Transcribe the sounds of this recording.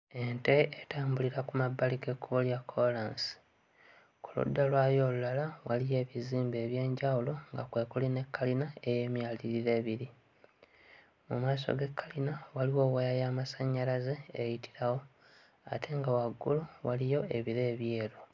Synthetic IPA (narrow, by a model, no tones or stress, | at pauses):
e̞nte̞etaːmbuliɾakumabːalike̞kuβoljakʰːolaːnsi̥ | ku̥lṵdːalwaːjo̞ːlulalawalije̞ːβiziːmbe̞ːβje̞ːɲɟawulo̞ŋɡakwe̞ːkuline̞kːalinae̞je̞ːmjaliɾiɾe̞ːβiɾi | mumaːs̬o̰ɡe̞kʰːalinawaliwo̞ːwajajamasaɲːalazeːjitʰi̥ɾawo̞ | a̰tʰe̞ŋɡawaɡːuluwalijo̞e̞βiɾe̞ːβje̞ːɾo̞